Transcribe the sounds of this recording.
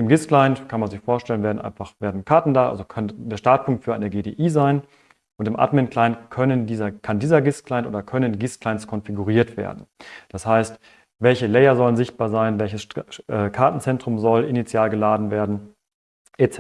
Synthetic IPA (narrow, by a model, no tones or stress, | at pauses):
ʔɪmɡɪsklaɪntkʰanmanzɪçfoːɐʃtɛlənveːɐdn̩ʔa̰ɪnfaχv̥eːɐdn̩kʰaɐtn̩daːʔa̰lzokʰndeːɐʃtaɐt̚pʰʊŋk̚tfyːɐa̰ɪnəɡeːdeːʔiːzaɪn | ʔʊntɪmʔa̰tmɪnkl̥aɪntkʰœnəndiːzɐkʰandiːzɐɡɪsklaɪntʔo̰ːdɐkʰœnənɡɪskʰlaɪnt͡sskʰɔnfiɡuʁ̞iːɐtv̥ḛːɐdn̩d̥ashaɪst | vɛlçəlɛɪɐzɔlənzɪçt̚b̥aːɐzaɪnvɛlçəsʔɛːkʰaɐtn̩t͡sɛntʁ̥ʊmzɔlʔɪnit͡sjaːlɡəlaːdn̩veːɐdn̩ | ʔet͡sɛ